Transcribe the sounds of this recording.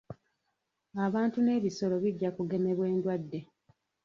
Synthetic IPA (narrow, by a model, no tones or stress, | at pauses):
aβaːntune̞ːβiso̞lo̞βiɟːakuɡe̞me̞βwe̞ːndwadːe̞